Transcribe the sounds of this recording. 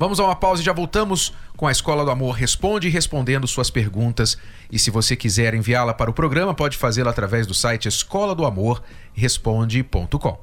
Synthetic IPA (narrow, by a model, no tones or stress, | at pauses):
vɐ̃mʊzaũmɐpawzɪʒavowt̪ɐ̃mʊskõw̃ɐeskɔlɐd̪ʊamoɾɦespõd͡ʒɪɦespõnd̪ẽnd̪ʊsuɐspeɾɡũt̪ɐs | ɪsɪvosekizɛɾẽviaɾlɐpaɾɐʊpɾoɡɾɐ̃mɐpɔd͡ʒɪfazelat̪ɾavɛzd̪ʊsajt͡ʃɪeskɔlɐd̪ʊamoɾ | ɦespõd͡ʒɪpõ̰nt̪ʊkõ